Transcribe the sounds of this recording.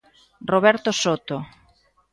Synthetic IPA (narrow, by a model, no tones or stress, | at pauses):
roβɛɾt̪osot̪o